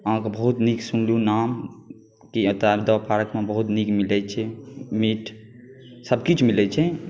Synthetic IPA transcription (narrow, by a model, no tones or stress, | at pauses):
əɦãkebəɦut̪niksunljunam | kiət̪ad̪əpʰaɾəkmẽbəɦut̪nikmilɛt͡ʃʰɛmiʈʰ | səbkit͡ʃʰmilɛt͡ʃʰɛ